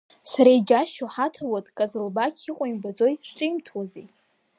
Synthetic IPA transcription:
saɾajd͡ʒaʃoħatʰawatʼkʼazɨlbakʲʰiqʷʼʊjimbad͡zo̞jʂʈ͡ʂʼɨjmtʰwazej

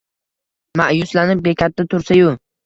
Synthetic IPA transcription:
maʔjʊslanɪp̚be̞kʲat̪ʰːat̪ʰʊɾsajʊ

